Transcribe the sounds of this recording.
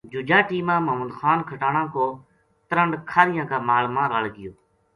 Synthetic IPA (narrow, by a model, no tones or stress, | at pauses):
d͡ʒʊd͡ʒaːʈiːmãːməɦməd̪xaːnkʰəʈaːɳãːkoː | t̪əɾəɳɖkʰaːɾɪjãːkaːmaːlmãːɾaːlɡɪjoː